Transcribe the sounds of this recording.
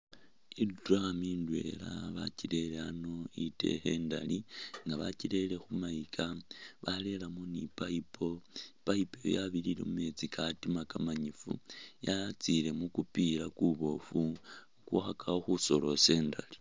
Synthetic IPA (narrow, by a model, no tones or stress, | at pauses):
idɾamindwe̞̰la̰βa̰cile̞leano̞ite̞̰xe̞ːnda̰liŋɡaβa̰ciɾe̞le̞xumaikʰaβale̞lamonipaipo̞paipojo̰jaβilile̞̰mume̞t͡sikʰatimakamaɲifṵjat͡sile̞mukupiɾakuβo̞fu | kwuxakaoxuso̞lo̞se̞ːndali̥